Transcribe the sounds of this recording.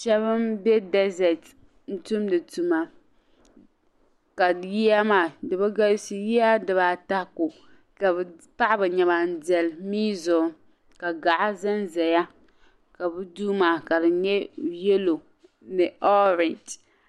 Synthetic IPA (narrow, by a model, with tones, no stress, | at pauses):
ʃɛ˦βɨ˦mbɛ˦dɛ˦zɛ˨t | n̩˦tu˦mdɨ˨tu˨ma˦ | ka˨ji˦a˦maː˨dɨ˨ba˦ɡa˦si˦ji˦a˦dɨ˨βa˨ta˦ko˨ | ka˨bɛ˨pa˦ʔbɨ˨ɲɛ˨ba˨n̩˦dɛ˨lmiː˦zɔ˨ | ka˨ɡa˨ʔa˦za˦nzɛ˨ja˦ | ka˨bɨ˦duː˦maː˨ka˨dɨ˨ɲɛ˦jɛ˦lo˨ | nɨ˨ʔɔ˦ɾɪ˨nt